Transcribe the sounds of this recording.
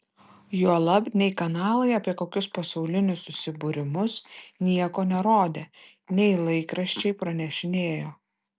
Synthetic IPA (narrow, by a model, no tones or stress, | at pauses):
juɔlˠɐbnʲɛɪkɐnɑːlˠɐɪɐpʲiɛkoːkʲʊspɐsɐʊlʲɪnʲʊsʊsʲɪbʊɾʲɪmʊsnʲiɛkoːnʲɛɾoːd̪ʲeː | nʲɛɪlˠɐɪkɾɐʃʲt͡ʃʲɛɪpɾɐnʲɛʃʲɪnʲeːjoː